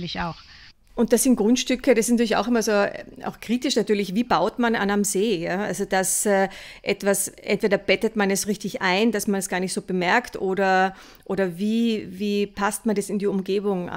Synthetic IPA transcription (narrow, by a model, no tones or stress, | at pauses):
lɪçaʊx | ʔʊnt̚d̥asz̥ɪntɡ̥ʁʊntʃtʏkʰəd̥asɪsntyɐɪça̰ʊxɪmɐzoːʔa̰ʊxkʁ̥iːtɪʃnatyːɐlɪçviːbaʊtmana̰nanmzeːjaːa̰lzod̥asɛʔɛtv̥asʔɛ̰ntv̥eːɾɐb̥ɛtətmanɛsʁɪçtɪçʔaɪnd̥asmanɛsɡ̥aːɐnɪçtsoːb̥əmɛɐktʔoːdɐ | ʔoːɾɐviːviːpʰast̚mandɛsɪndiːʊmɡeːbʊŋa̰